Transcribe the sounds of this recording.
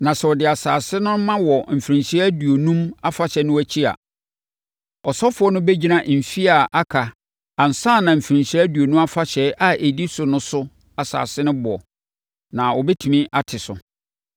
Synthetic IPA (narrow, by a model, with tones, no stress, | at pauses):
nã˨sɛ˨ɔ˨dɪ˨a˨saː˨sɪ˦nʊ̃˦mã˦wɔ˨m̩˨fɾĩ˨ɲɕæ˦du˨o˨nũ˦ma˦fa˨ɕɛ˨˦nʊ̃˦wæ˦t͡ɕʰi˦a̰˨ | ɔ˨sɔ˦fʊ˨˦ɔ˦nʊ̃˦bɛ˦d͡ʑi˦nã˨m̩˨fi˦a˨ʔa˦kʰa˨ | a˨n̩˨sãː˦˨nã˨m̩˨fɾĩ˨ɲɕæ˦du˨o˨nũ˦m˦a˦fa˦ɕɛ˨˦ʔa˦ʔe˨di˦sʊ˨nʊ̃˦sʊ˦ | a˨sa̰ː˨sɪ˦nʊ̃˦bʊ˨ɔ̰˨ | nã˨wɔ˨bɛ˦tʰu˨mĩ˦ʔa˦tʰɪ˨sʊ̰˨